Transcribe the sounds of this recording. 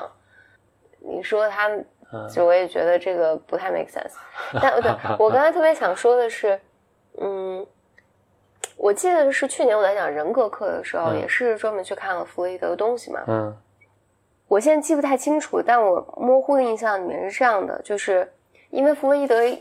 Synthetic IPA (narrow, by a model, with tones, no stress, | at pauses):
ŋ | nḭ˨˩ʂwɔ˥t̪ʰa˥ | t͡ɕo˧˥wɔ˧˥jɛ˨˩t͡ɕɥɛ̰˧˥d̪ə˧ʈ͡ʂɤ˥˩ɡə˩pu˧˥t̪ʰa˥˩ɪmḛ˥˩ksɛ̰˥nst̪a˥˩˧t̪wɔ˨˩kɑ˥ŋt͡sʰɑ˥t̪ʰɤ˥˩pjɛ˧˥ɕjɑ˨˩ŋʂwɔ˥d̪ə˨ʂɻ̩˥˩ | n̩˥˩ | wʔɔ˨˩t͡ɕi˥˩d̪ə˩˥ʂɻ̩˥˧t͡ɕʰy˥˩jɛ˧˥nwɔ˨˩la˧˥ɪt͡ɕjɑ˨˩ŋɻə˧˥nkɤ˧˥kʰɤ˥˩d̪ə̰˩ʂɻ̩˧˥xo˧ʊjɛ̰˨˩ʂɻ̩˥˩ʈ͡ʂwo˥mə˧˥nt͡ɕʰy˥˧kʰa˥˩nlə˩fu˧˥ə˥˧˩i˥˩ɤ̰˧˥t̪ʊ˥ŋɕi˨˩mɐ̰˩ | wɔ˨˩ɕ̬jɛ˥n˥t͡ɕi˥˩u˥t̪ʰa˥˩ɪt͡ɕʰi˥ŋʈ͡ʂʰu˨˩t̪a˥˩nwɔ˨˩mwɔ˥˧xu˥˩d̪ə˧i˥˧ɕ̬jɑ˥˩ŋn˨˩˧ʂɻ̩˥˧ʈ͡ʂɤ˥˧jɑ˥˩ŋd̪ə̰˩t͡ɕjo˥˧ʊʂɻ̩˥˩ | ʔḭ˥nwe˥˩ɪfu˧˥lo˥i˥˩t̪ɤ˧˥